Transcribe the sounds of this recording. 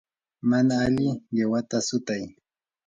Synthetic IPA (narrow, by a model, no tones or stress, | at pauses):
manaːlɪjawat̪asʊt̪aj